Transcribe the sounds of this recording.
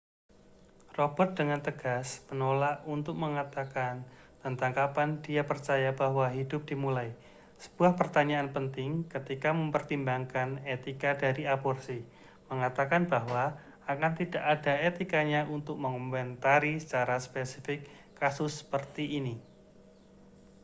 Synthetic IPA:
robɔt̪̚dəŋant̪əɡ̥asmənolaʔunt̪ʊk̚məŋat̪akan | t̪ant̪aŋkapandiapərt͡ʃajabahwaɦidʊp̚d̥imulaj | sə̥b̥uahpərt̪aɲaʔːnpənt̪ɪŋkət̪ikaməmpərt̪imbaŋkanet̪ikadaɾiabɔrsi | məŋat̪akanbaɦwa | akant̪idaʔadaet̪ikaɲaʔunt̪ʊk̚məŋɔmmɛnt̪aɾisə̥t͡ʃaɾaspesifɪkː | asʊsːə̥pərt̪iʔːni

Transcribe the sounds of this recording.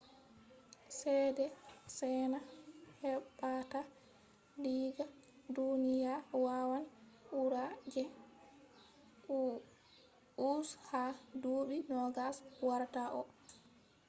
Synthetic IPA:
sɛdɛsɛnahɛɓata | liɡa | dunijawawanʔuɾad͡ʒɛ | ushaduɓinɔɡaswaɾtaʔɔ̰

